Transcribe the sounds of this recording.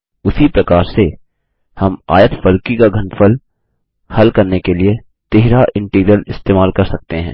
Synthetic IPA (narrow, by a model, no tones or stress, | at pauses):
ʊsipɾɐkaːɾse | hɐma̰ːjət̪fɐɾkikaɡʱɐ̃nfəl | hɐlkɐɾnekelie | t̪eɦɾaʔɪ̃ɳʈiːɡɾijəlɪst̪eːmaːlkɐɾsɐk̚t̪eɦɛ̰̃ː